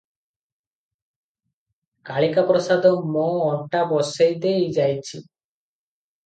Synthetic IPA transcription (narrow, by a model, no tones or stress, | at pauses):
kaɭikapɾɔsad̪ɔmɔɔɳʈabɔsejd̪eid͡ʒajt͡ʃʰi